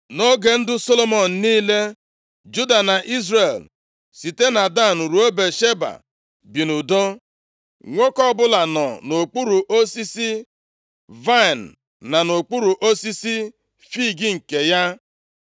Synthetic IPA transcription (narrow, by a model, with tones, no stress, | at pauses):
no˦ɡe˨n̩˦dʊ˦so˦lo˦mɔ˨n̩˨niː˦le˦ | d͡ʒu˦da˨na˨ʔi˦zre˨l | si˨te˦na˨da˦˨nu˨ɾu˨˦o˦be˨ʃe˦ba̰˨ | bi˨nu˨do˦ | ŋʷo˦kɔ˦bʊ˦la˨nɔ˨no˨k͡pu˦ɾu˨ʔo˦si˦si˦ | va˦˨nː˨ | a˨no˨k͡pu˦ɾu˨ʔo˦si˦si˦ | fi˦˨ɡi˦ŋ̩˨ke˨ja˦